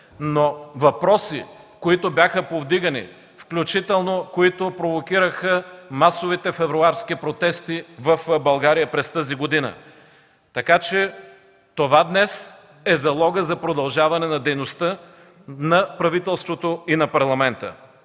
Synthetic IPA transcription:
novɐpɾɔsḭkoit̪objaxəpovd̪iɡɐnḭ | fklʲut͡ʃit̪ɛlˠnokoit̪ʊpɾovokʲiɾəxəmasovit̪ɛfɛvɾʊaɾskipɾot̪ɛst̪ivɐfbɐlˠɡaɾijəpɾɛst̪əziɡod̪inə̰ | t̪ɐkat͡ʃɛ | t̪ovad̪nɛs | ɛzɐlˠɔɡəzɐpɾod̪ɐlˠʒavɐnɛnɐd̪ɛjnost̪ə | nɐpɾɐvit̪ɛlˠst̪vot̪oinɐpɐɾlˠɐmɛnt̪ə̰

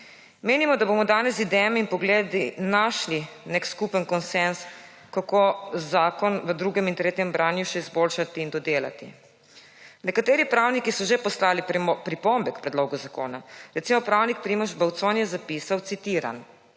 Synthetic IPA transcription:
meːnimɔd̪abomɔd̪aːnɛs̬id̪ɛːmɛinpɔɡleːd̪inaʃlinekskupənkɔnsɛns | kakozaːkɔnʋəd̪ɾuːɡɛmint̪ɾeːt̪jɛmbɾaːnjuʃɛizboːlʃat̪iːnd̪ɔd̪eːla̰t̪ḭ | nɛkat̪eːɾipɾaːwnikisɔʒepɔslaːlipɾipɔmbɛkpɾɛd̪loːɡuzako̰ːnaɾɛt̪simɔpɾawnik̚pɾimɔʒbawt̪sonjɛzapiːsawt̪sit̪iːɾa̰n

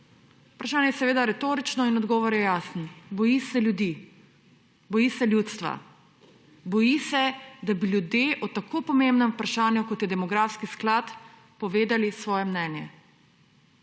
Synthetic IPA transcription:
upɾaʃaːnjɛjɛsɛʋeːd̪aɾɛt̪oːɾit͡ʃnɔinɔd̪ɡɔːʋɔɾjɛjaːsnɔbɔjisɛljud̪iː | bɔjisɛlʲjuːt̪st̪ʋa̰ | bɔjisɛd̪abiljud̪jeʔɔt̪akoːpɔmembnɛmupɾaʃaːnjukɔt̪jɛd̪ɛmɔɡɾafskisklat̪ | pɔʋeːd̪alisʋɔːjɛmnɛːnjɛ

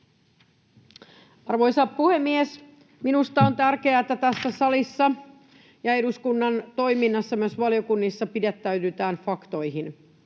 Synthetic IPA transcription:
ɑrʋo̞jsɑppuhemːies | minust̪ɑont̪ærke̞æet̪ːæt̪æsːæsɑlisːɑ | jɑe̞duskunːɑnt̪o̞jminːɑsːɑmyøsʋɑlijo̞kunːisːɑpidet̪ːæyt̪yt̪æːnfɑkt̪o̞jɦin

